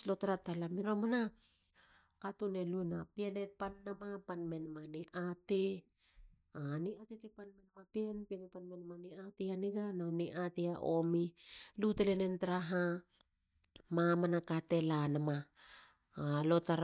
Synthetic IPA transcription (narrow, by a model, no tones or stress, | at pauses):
lo̞taɾatalamiɾomana | katune̞lunapienepanːamapanme̞nmaniʔate | aniatetepanmenmapienpienepanmenmaniateaniɡananiʔateaʔomilutelenentaɾaɦa | mamanakate̞lanama | alo̞taɾ